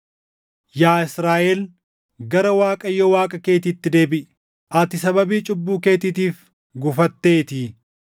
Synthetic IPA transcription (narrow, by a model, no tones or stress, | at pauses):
jaːɪsɾaːʔɛl | ɡɐɾɐwaːkʼɐjːɔwaːkʼɐke̞ːt̪ɪt̪ːɪd̪e̞ːbɪʔ | ʔɐt̪ɪsɐbɐbiːt͡ʃʼʊbːuːke̞ːt̪ɪt̪iːf | ɡʊfɐt̪ːeːt̪iː